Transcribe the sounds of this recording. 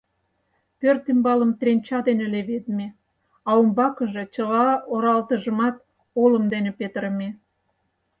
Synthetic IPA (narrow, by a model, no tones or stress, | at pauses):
pørt̪ymbɑləmt̪renʲt͡ɕɑd̪eneleβed̪me | ɑumbɑkəʒe̽t͡ɕəlɑoɾɑlt̪əʒəmɑt̪ | oləmd̪enepet̪əɾəme